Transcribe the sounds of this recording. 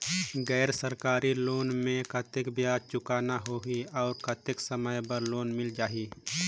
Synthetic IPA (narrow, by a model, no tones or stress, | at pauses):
ɡɛːɾsəɾkaːɾiloːnmẽkət̪ɪkbjaːd̪̚t͡ʃʊkaːnaɦoːiɔːɾkət̪ɪksəməjbəɾloːnmɪld͡ʒaːɦiː